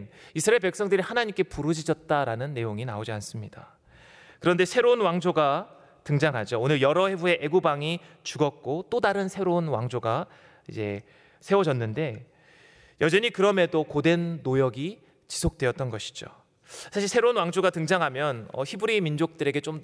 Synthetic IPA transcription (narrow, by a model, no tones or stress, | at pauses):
nisʰɯɾaeɭpe̞k̚s͈ʌŋdɯɾihanaɲimk͈e̞puɾɯd͡ʑid͡ʑʌt̚t͈aɾanɯnːe̞joŋina̰od͡ʑians͈ɯmɲida | kɯɾʌnde̞sʰeɾounwaŋd͡ʑoɡa | tɯŋd͡ʑaŋɦad͡ʑoːnɯɭjʌɾʌhe̞bue̞ʔeɡubaŋi | t͡ɕuɡʌk̚k͈ot͈odaɾɯnsʰe̞ɾounwaŋd͡ʑoɡa | ḭd͡ʑe̞̰ | sʰe̞wʌd͡ʑʌnːɯnde̞ | jʌd͡ʑʌɲikɯɾʌme̞dokode̞nːojʌɡi | t͡ɕi̥sʰok̚t͈weʌt̚t͈ʌnɡʌɕʰi̥d͡ʑo̰ | sʰaɕʰiɭsʰeɾounwaŋd͡ʑoɡatɯŋd͡ʑaŋɦamjʌnʌ̰çibuɾimind͡ʑok̚t͈ɯɾe̞ɡe̞t͡ɕ͈om